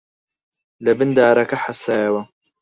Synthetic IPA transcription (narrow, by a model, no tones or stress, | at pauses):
lɐbɨnd̪aːɾɐkɐħasaːjɐwɐ